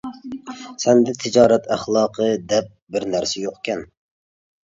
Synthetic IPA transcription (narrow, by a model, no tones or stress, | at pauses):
sɛnd̪ɛt̪ʰɪd͡ʒɑːɾɛt̪ʰæχlˠɑːqʰəd̪ɛp̚bɪɾnæɾsɛjoqkʲɛn